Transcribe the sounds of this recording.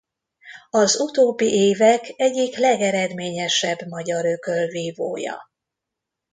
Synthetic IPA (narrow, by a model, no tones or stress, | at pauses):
ɒzut̪oːbːiʔeːvɛkɛɟːiklɛɡɛɾɛd̪meːɲɛʃɛbmɒɟɒɾøkølviːvo̰ːjɒ̰